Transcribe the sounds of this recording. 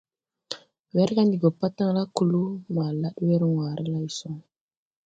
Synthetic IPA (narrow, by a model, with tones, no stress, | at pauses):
we˦ɾka˦ndi˨ɡo˨pːa˦tːa˦ŋla˦ku˨lu˦ma˨la˦ɗwe˦ɾŋwa˨ɾʔe˦la˦i˨so˦ŋ